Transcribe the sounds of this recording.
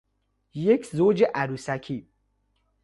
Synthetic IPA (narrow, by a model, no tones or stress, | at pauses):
jekʰzoːd͡ʒeʔæɾusækʰi